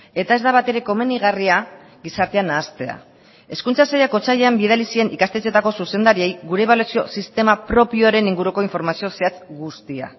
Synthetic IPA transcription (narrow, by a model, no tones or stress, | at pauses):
e̞t̪ae̞zd̪aβat̪e̞ɾe̞ko̞me̞niɣaria | ɣisaɾt̪e̞anaːst̪e̞a̰ | e̞skunt͡sasajako̞t͡saʎeambiðalisie̞nikast̪et͡se̞t̪ako̞suse̞nd̪aɾie̞jɡuɾe̞βalasio̞̰sist̪e̞mapɾo̞pio̞aɾe̞niŋɡuɾuko̞iɱfo̞ɾmasioseat͡sɡust̪ia̰